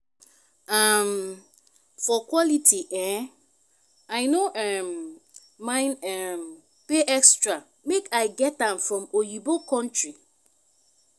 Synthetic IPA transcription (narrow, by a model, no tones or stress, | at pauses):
am | fɔkwɔlitʰiʔɛ̃ | aɪnoʔɛm | mãɪ̃nɛm | peʔɛkstɹa | mekaɪɡɛt̚ãmfɹɔ̃mojibokɔ̃ntɹi